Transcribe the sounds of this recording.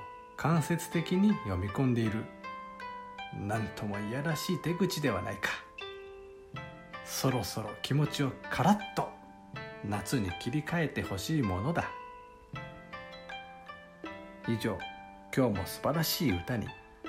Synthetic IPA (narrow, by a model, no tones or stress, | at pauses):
kʰãɰ̃se̞t͡sɨ̥t̪e̞kʲiɲ̟ijo̞mʲikõ̞nd̪e̞iɾɯ̟ | nãnt̪ʰo̞mo̞ijaɾaɕiːt̪e̞ɡɯ̟t͡ɕid̪e̞βa̰naikḁ | so̞ɾo̞so̞ɾo̞kʲimo̞t͡ɕio̞kʰaɾat̪ːo̞ | nat͡sɨɲ̟ikʲiɾʲikae̞t̪e̞ho̞ɕiːmo̞no̞d̪a | iʑo̞ː | kʲo̞ːmo̞̰sɨ̥baɾaɕiːɯ̟t̪aɲ̟ḭ